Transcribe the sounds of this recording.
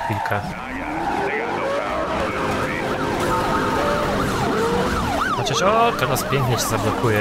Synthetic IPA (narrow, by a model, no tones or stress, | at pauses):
fʲilkʰa | pat͡ɕɛt͡ɕɔk̪anaspʲjɛ̃ŋkɲɛɕɛzablɔkujɛ